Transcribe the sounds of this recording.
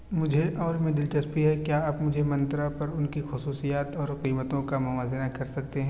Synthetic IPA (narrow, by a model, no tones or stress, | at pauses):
mʊd͡ʒʱeʔɔːɾmẽd̪ɪlt͡ʃɐspiɦɛkjaːaːpmʊd͡ʒʱemɐ̃nt̪ɾapɐɾʊnkixʊsuːsijaːt̪ɔːɾqiːmət̪õkamʊʋaːzɪɾakɐɾsɐk̚t̪eɦɛ̃